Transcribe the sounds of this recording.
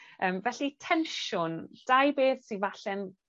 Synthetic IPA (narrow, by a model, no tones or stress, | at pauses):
əːmvɛɬitʰɛnʃʊnd̥ajbeːθsinvaɬɛn